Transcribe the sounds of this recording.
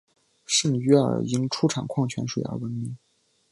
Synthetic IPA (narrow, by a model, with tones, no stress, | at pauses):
ʂə˥˩ŋy˧˥ə̰˞˨˩i˧˥ŋʈ͡ʂʰu˥ʈ͡ʂʰɑ˨˩nkʰwɑ˥˩ŋt͡ɕʰɥɛ̰˧˥nʂu˨˩jɑ̰˥˩wə˧˥nmi˧˥˦ŋ